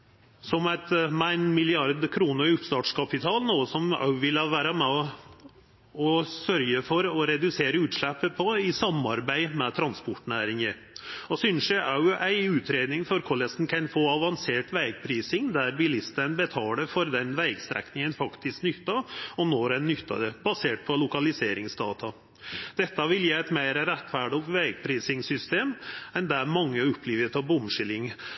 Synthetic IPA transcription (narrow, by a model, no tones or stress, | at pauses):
sɔmæɪt̪mæɪnmɪlɪɑɾd̪kʰɾuːnəɾɪʊpst̪ɑːʈʂkʰɑpɪt̪ʰɑːlnuːəsɔmɑ̰ʉʋɪlɑʋæːɾəmɛ | ɔsœɾjəfɔɾɔɾɛd̪ʉseːɾəʉːt̪ʂlæpːəpʰɔɪsɑmɑɾbæɪmɛt̪ʰɾɑnspɔʈːnæːɾɪŋəɾ | ɔsyːnsæʔɑʉʔæɪʉːt̪ʰɾeːd̪nɪŋfɔɾkʰɔlɛsn̩kʰɛnfoːɑʋɑnseːʈʋæɪɡ̚pʰɾiːsɪŋd̪æɾbɪlɪst̪ənbɛt̪ʰɑːləfɔɾd̪ɛnʋæɪɡst̪ɾɛ̰knɪŋənfɑkt̪ɪsknʏt̪ːɑɔnoːɾɛnːʏt̪ːɑ̰d̪əbɑseːʈ̚pʰɔlʊkɑlɪseːɾɪŋsd̪ɑːt̪ʰɑ | d̪̥ɛt̪ːɑʋɪljiːæɪt̪meɪɾəɾɛt̪ːfæːɖɪɔkt̪ʋæɪɡ̚pʰɾiːsɪŋsʏst̪eːmɛnd̪æmɑŋːəʊpʰːliːʋət̪ʰɑbʊmʂɪlɪŋ